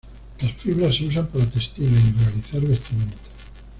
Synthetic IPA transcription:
lasfiβɾasːeusampaɾat̪est̪inairealiθaɾβest̪imẽnt̪o̥

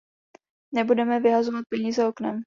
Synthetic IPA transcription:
nɛbudɛmɛvɪɦazovat̪̚pɛɲiːzɛoknɛm

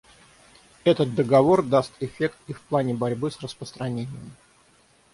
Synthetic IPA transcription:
ɛt̪ət̪̚d̪əɡɐvo̞rd̪ast̪ɪfʲe̞kt̪ifplˠanʲɪbɐɾʲbɨsrəspɾəst̪ɾɐnʲenʲɪjəm

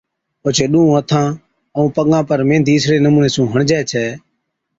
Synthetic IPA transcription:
oːt͡ʃʰeːɗũːũːət̪ʰãː | əũːpəɠãːpəɾmẽːnd̪ʱiːɪsɾeːnəmuːneːsũːɦəɳd͡ʒɛːt͡ʃʰɛː

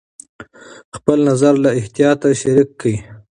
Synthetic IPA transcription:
xpəlnazaɾlaɪht̪ijɑt̪aʃaɾikːawi

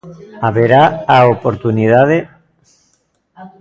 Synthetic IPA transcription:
aβeɾaaopoɾt̪unið̞aðe

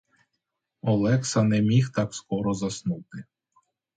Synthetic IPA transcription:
ɔlˠɛksɐnɛmʲixt̪ɑkskɔɾɔzɐsnut̪ɪ

